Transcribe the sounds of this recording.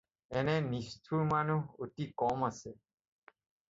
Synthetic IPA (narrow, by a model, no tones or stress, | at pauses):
ɛnenist̪ʰuɾmanuɦoʈikɔmase